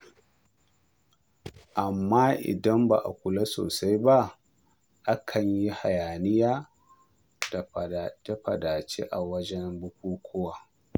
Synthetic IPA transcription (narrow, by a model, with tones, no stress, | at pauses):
ʔa˨mːaː˦ʔɪ̰˨dɐ˦mba̰˨ʔa˨kʷʊ˨la˦so̰ː˨sa˦jba˦ | ʔa˦kʰɐ˨ɲji˦ha̰˨jaː˨nɪ˦jaː˦ | d̥a˨da˦ɸɐ̰˨daː˨t͡ʃḛ˦ʔa˨wɐ˦d͡ʒɛ˦mbʊ˦k̚ʷuː˦kʷʰʊ˦wa˨